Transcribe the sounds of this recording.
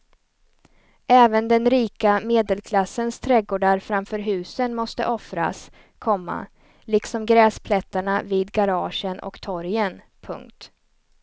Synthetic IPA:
ʔɛːvənd̪ɛnɾiːkameːd̪əlkʰlasːənst̪ʰɾɛɡoːɖaɾfɾamfœːɾɦʉ̟ːsənmɔst̪ə̰ʔɔfɾa̰s | kʰɔmːa̰ | lɪksɔmɡɾɛːspʰlɛt̪ːaɳaviːd̪ɡaɾɑːʂənʔɔ̰kt̪ʰɔɾjən | pʰɵ̰ŋkt̪

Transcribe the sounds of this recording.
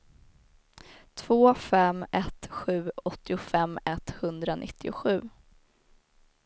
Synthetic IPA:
t̪ʰv̥oːfɛmːɛt̪ɧʉ̟ːɔt̪ːɪʊfɛmːɛt̪hɵnd̪ɾanʔɪ̰t̪ʰːɪʊ̰ɧʉ̟ː

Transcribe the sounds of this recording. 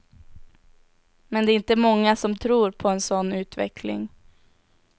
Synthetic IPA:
mɛnd̪ɛːɾɪnt̪əmɔŋːasɔmt̪ʰɾuːɾpʰɔɛnsɔnːʉ̟ːt̪vɛ̰kʰlɪ̰ŋ

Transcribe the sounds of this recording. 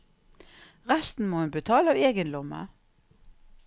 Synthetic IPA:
ʁæst̪n̩moːhʉnbət̪ʰɑːlɑːʋeːɡənd̪ɔmə̰

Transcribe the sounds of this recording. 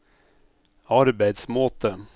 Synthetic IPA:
ɑɾbæɪd̪smoːt̪ʰə

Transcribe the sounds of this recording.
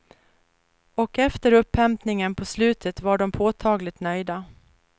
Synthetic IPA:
ɔkɛft̪əɾɵpʰːɛmpnɪŋənpʰɔslʉ̟ːt̪ʰət̪vaɖɔmpʰoːt̪ʰɑːɡlɪt̪nœjd̪a

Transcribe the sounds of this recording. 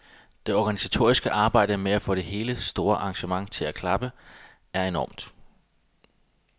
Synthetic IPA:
d̥e̝ɒɡ̥ænisæt͡sʰo̝ɐ̰isɡ̥əʔɑ̈ːb̥ɑ̈ɪ̰d̥əmeæfɔ̽ɾ̥e̝ɦe̝ːləsd̥o̝ːɐʔɑ̈ŋɕəmɑ̈ŋt͡sʰe̝lækʰlɑ̈b̥ə | æɐe̝nɒ̰ːmd̥

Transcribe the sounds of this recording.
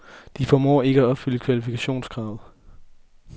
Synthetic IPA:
d̥ifɒmɒ̰ːe̝ɡ̥əæɒ̽b̥fyləkʰʋælifikʰæɕo̝̰ːnsɡ̥ʁɑ̈ːðˠ

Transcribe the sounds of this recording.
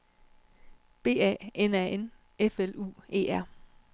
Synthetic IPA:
b̥e̝̰ːɛ̰ːenɛen | efelṵːe̝̰ːæɐ̰

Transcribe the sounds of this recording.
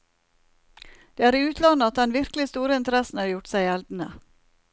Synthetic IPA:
d̪̥eːæːɾiʉːt̪ʰlɑnəɑt̪̚d̪ɛnʋɪɾklɪst̪uːɾəɪnt̪əɾɛsn̩hɑːɾjʊʈsæɪɛld̪n̩ə

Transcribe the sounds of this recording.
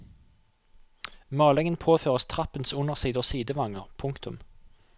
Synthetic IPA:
mɑːlɛŋənpʰoːføːʁəst̪ʰʁɑpənsʊnəʁsiːd̪əsiːd̪əʋɑŋəʁpʰʊŋkt̪ʊm

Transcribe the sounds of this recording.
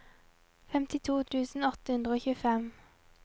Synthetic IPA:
fɛmt̪ɪt̪ʰuːt̪ʰʉːsn̩ɔt̪əhʉnd̪ʁəoːçʉːəfɛm

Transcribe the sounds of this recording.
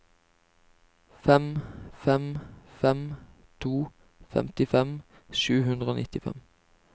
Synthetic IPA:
fɛmfɛmfɛm | t̪ʰuː | fɛ̰mt̪ɪfɛm | ʃʉːhʉnd̪ʁəoːnɪt̪ɪfɛ̰m

